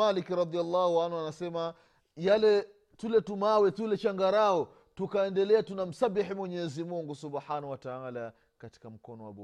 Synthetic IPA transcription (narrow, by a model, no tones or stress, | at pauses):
alikɾɑd̪ijalˤːahuanhuanasɛma | jalɛ | tulɛtumawɛtulɛt͡ʃaŋɡaɾaɔ | tukaɛndɛlɛatunam̩sabːiħimwɛɲɛzimuŋɡusubħaːnawataaːla | kati̥kam̩kɔnɔwa̰ɓu